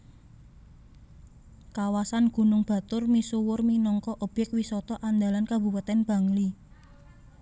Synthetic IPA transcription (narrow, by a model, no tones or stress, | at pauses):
kawasanɡ̥ṳnʊŋb̥a̤t̪ʊrmisuwʊrminɔŋkɔʔəb̥ɛkwisɔt̪ɔʔand̪alankabṳpat̪ɛnb̥ä̤ŋli